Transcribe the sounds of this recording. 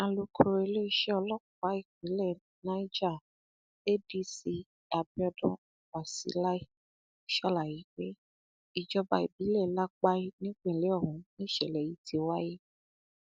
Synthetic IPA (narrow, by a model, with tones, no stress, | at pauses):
a˧lo˧kʰo˧ɾe˧le˦i˦ʃɛ˦ɔ˧lɔ˦ka˨˦i˦˨k͡pĩ˨˦lɛ˦˨ | nã˨˦i˦d͡ʒa˦˨ | e˦di˦si˧ | a˧bi˦ɔ˧dɔ̃˧˦˨wa˨sḭ˨˦la˦i˦ | ʃɔ˦la˨ji˨˦k͡pe˦ | i˦˨d͡ʒɔ˧ba˧i˨bi˨˦lɛ˦˨la˦k͡pa˦i˦nĩ˦k͡pẽ˨le˨˦ɔ˦˨hũ˨˦nĩ˦˨ʃɛ˨lɛ˨ji˨˦tʰi˧˦wa˦je˦